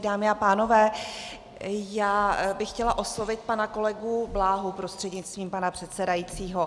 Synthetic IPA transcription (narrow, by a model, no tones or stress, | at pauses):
daːmɪapaːno̞vɛː | jaːbɪxːcɛlaʔo̞slo̞vɪt̪̚panako̞lɛɡublaːɦupɾo̞st̪r̥ɛdɲɪtt͡st̪viːmpanapr̥ɛt̪sɛdajit͡siːɦo̞